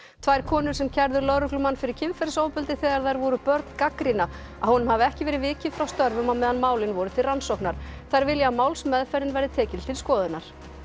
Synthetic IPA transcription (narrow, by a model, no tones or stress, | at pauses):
t̪ʰvaːjɾ̥kʰɔːnʏɾ̥sɛmcʰɛɾðʏɾlœɾʏklʏmanːfɪɾɪɾ̥cʰɪmfɛɾsowpʏlt̪ɪθɛːɣaɾθajɾvɔɾʏpœɾt̪nkakɾina | ahunʏmhavɪɛhcɪvɛːɾɪvɪːcɪðfɾawst̪œɾvʏmamɛːðanmaːwlɪnvɔɾʏt̪ʰɪlransɔwknaɾ̥θajɾvɪljamaːwlsmɛðfɛɾɪnvɛjɾɪt̪ʰɛːcɪlt̪ʰɪlskɔːðʏnaɾ̥